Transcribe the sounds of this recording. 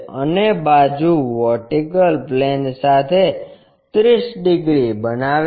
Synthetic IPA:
ə̰nebad͡ʒuʋɔʈikəlplɛnsat̪ʰe | t̪ɾisɖɪɡɾibənaʋ

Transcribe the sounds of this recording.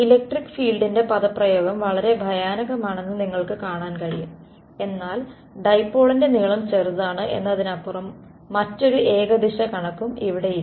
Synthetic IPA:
ilek̚ʈrikːɨ̥fiːɭɖinde̞pɐðɐprɐjo̞ːɡɐmʋɐɭɐɾe̞bʱɐjaːnɐɣɐmaːɳe̞nːɨniŋːɐɭkɨkaːɳaːnkɐɻijum | e̞nːaːl | ɖɐjpːo̞ːɭinde̞niɭɐmt͡ɕerðaːɳɨʔe̞̰nːɐðinɐpːurɐmː | ɐtːo̞ɾue̞ːɡɐd̪iɕɐkɐɳɐkːumiʋiɽe̞jiɾ

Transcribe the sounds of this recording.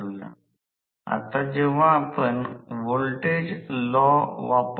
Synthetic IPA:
la̰ | a̰t̪ad͡ʑeʋ̤ãːpəɳʋolʈed͡ʑlɔʋap

